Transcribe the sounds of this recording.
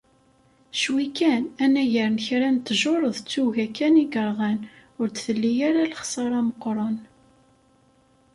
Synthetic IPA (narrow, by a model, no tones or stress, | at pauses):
ʃwikænænæʝəɾnçɾænt̪ːʒoɾˤəðt͡sːuʝækːæniɡəɾˤʁænʊɾt͡sθəlːijaɾalχsˤɑɾˤɑməqːɾˤɑn